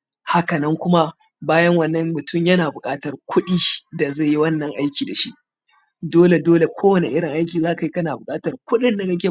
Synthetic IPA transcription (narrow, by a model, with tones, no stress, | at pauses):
ha˦kɐ˨nɐ˦ŋkʷʊ˦ma˦ | baː˦jɐ˦ŋwɐ˨nːɐ˦ŋmʊ˨tʰʊ˦˨mjɐ˦naː˨bʊ˨kʼaː˦tɐ˨rkʷʰʊ˦ɗiː˦da˨za˦˨ji˦wɐ˦nːɐ˨ŋʔa˦jkʲiː˨da˨ʃi˦ʔ | doː˦le˨doː˦le˨kʷʰoː˦wɐ˨ne˨ʔɪ˦ɽɪ˨ŋʔa˦jkʲiː˨zaː˦ka˨ji˦kɐ˦naː˨bʊ˨kʼaː˦tɐ˨rkʷʊ˦ɗɪ˦nda˨dɐ˦kʲe˨